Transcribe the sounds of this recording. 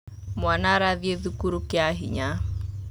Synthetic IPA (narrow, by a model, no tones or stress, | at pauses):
mwanaɾaðjeðukuɾukɪaɦiɲa